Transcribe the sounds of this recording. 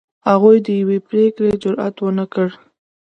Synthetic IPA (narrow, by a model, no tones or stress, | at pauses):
haɣujd̪əjawepɾekɽed͡ʒʊɾa̰t̪wənakəɽ